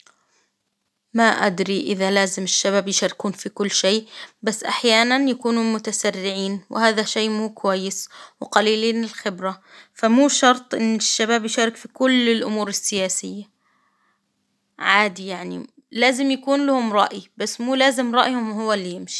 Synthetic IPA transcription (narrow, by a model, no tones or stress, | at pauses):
maʔa̰d̪ɾiʔɪðalaːzɪmɪʃːabaːbjɪʃaɾɪkuːnfikʊlːʃeːbasːʔaħjaːnanjakuːnumʊt̪asarːɪʕiːnwɪ̰haːðaʃeːmuːkwajːɪswɪqɑliːliːnɪlxɪbɾafamuːʃɑɾˤt̪ˤʔɪnːɪʃːabaːbjɪʃaːɾɪkfikʊlːɪlʔʊmuːɾɪsːɪjaːsɪjːa | ʕaːd̪ijaʕnḭ | laːzɪmjakuːnlahʊmɾˤɑ̰ʔibasːmuːlaːzɪmɾˤɑʔhʊmwhʊwːalːijɪmʃi̥